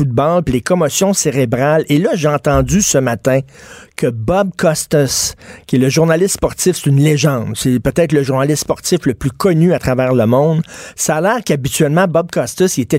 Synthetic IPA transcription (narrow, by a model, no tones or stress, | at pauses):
ud̪̚bɑlpilekɔmɔsjɔ̃seʁebʁalelʌʒeɑ̃t̪ɑ̃zysəmat̪ɛ̃kʰəbʌb̚kɔst̪œskʲɛləʒuʁnalɪst̪spɔʁt̪sɪfse̥t̪ynleʒɑ̃d̪sepøt̪ɛːt̪ləʒuʁnalɪst̪spɔʁt̪sɪfləplykʰɔnyat̪ʁavɛːʁləmɔ̃ʊ̃d̪saːlɛːʁkabit̪ɥɛlmɑ̃bɔb̚kɑst̪əsiet̪ɛ